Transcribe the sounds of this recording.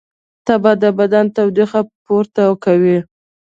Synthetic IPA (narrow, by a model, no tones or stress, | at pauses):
t̪abad̪əbad̪ant̪awd̪ixapoɾt̪akawi